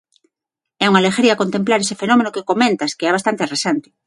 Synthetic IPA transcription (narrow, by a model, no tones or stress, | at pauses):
ɛuŋalexeɾiakont̪emplaɾesefenomenokekomẽnt̪askeɛβast̪ant̪eresant̪ɪ̥